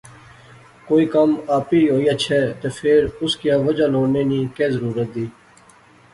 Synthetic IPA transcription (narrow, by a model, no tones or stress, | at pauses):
koːiːkəmaːpiːɦoːiːaːt͡ʃʰɛːt̪eːfʰɪɾʊskijaːʋəd͡ʒaːloːɽneːnĩːkeːzəɾuːɾət̪̚d̪iː